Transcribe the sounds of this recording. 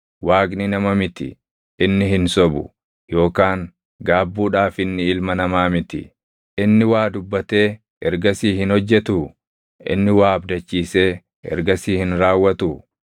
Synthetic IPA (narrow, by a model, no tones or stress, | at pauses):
waːɡnɪnɐmɐmɪt̪ɪ̰ | ɪnːɪɦɪnsɔbʊ̰ | jo̞ːkaːŋ | ɡaːbːuːᶑaːfɪnːɪɪlmɐnɐmaːmɪt̪ɪ̰ | ʔɪnːɪwaːd̪ʊbːɐt̪e̞ː | ɛɾɡɐsiːhɪnhɔd͡ʒːɛt̪u | ʔɪ̰nːɪwaːɐbd̪ɐt͡ʃːiːse̞ː | ɛ̰ɾɡɐsiːhɪnɾaːwːɐt̪u